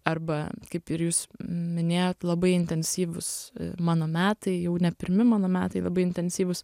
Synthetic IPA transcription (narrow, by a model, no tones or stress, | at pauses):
ɐrbɐkɐɪpɪɾjuːsmʲɪnʲeːjoːt̪lˠɐbɐɪɪnʲt̪ʲɛnʲsʲiːʋʊsmɑːnoːmʲæːt̪ɐɪjɛʊnʲɛpʲɪɾʲmʲɪmɑːnoːmʲæ̰ːt̪ɐɪlˠɐbɐɪɪnʲt̪ʲɛnʲsʲiːʋʊs